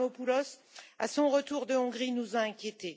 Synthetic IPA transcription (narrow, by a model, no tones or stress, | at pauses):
opulɔsa̰sɔ̃ʁət̪uʁd̪əɔ̃ɡʁinuzaɛ̃kʲjet̪e